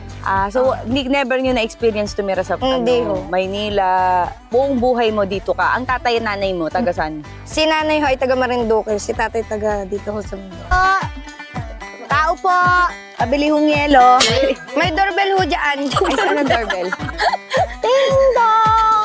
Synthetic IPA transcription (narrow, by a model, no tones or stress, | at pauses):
ʔaːsownɪnɛbɛɾɲonɐʔɛkspiːɾɪɐnst̪ʊmɛɾɐsɐphɪnd̪ihomɐjniːlɐbʊʔʊŋbuːɦɐjmo̞d̪iːt̪okɐʔɐŋt̪aːt̪ɐjnaːnɐjmot̪ɐɡɐsan | sɪnaːnɐjɦoʔɐjt̪ɐɡɐmɐɾɪnd̪okɐsɪt̪aːt̪ɐjt̪ɐɡɐd̪iːt̪ohosɐmʊnd̪ooʔ | t̪aːʔopoʔ | pɐbɪlihʊŋjɛːlomɐjd̪oɹbɛlhʊd͡ʒɐʔanjsɐnɐŋd̪oɹbɛl | t̪ɪd̪o